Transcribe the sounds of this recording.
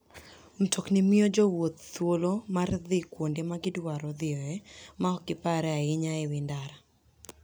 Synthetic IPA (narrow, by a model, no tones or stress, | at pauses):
m̩tʰoknimɪod͡ʒɔwot̪̚ːwolomarðɪkwondemaɡɪdwaɾɔðɪɔɛmaɔkɪpaɾɛaɪɲaɪwɪndaɾa